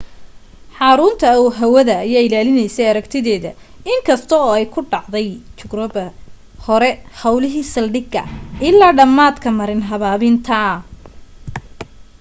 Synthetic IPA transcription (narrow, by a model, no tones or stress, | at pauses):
ħɑɾʊnt̪ʰɐuɦɐwɐðɐːjaːɪlaːlɪnɛjsɛjɐɾɐɡt̪ʰɪðɛːðɐ | ɪŋkʰɐst̪ʰɔɔːɛjkʰʊɖɑʕd̪ɛjt͡ʃʊɡrɔbɐ | hɔɾɛhɐwlɪɦiːsɐlɖɪɡɐ̰ʔɪlːaːɖɐmːaːd̪kʰɐmɐɾɪnɦɐβaːβɪnt̪ʰɐ